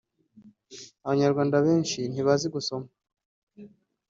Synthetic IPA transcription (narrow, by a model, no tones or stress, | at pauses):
aβaɲaɾɡwaːndaβeːnʃin̥iβaziɡuso̞ma